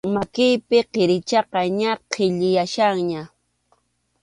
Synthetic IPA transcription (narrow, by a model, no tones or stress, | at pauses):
makɪjpɪqeɾɪt͡ʃɑqɑɲaqʰɪʎɪjaʃaŋɲa